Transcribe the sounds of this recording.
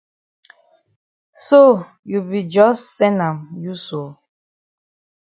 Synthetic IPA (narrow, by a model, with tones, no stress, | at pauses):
so˦˨ | ju˨bi˨d͡ʒɔ˦ssɛ˦nã˨mju˦so˨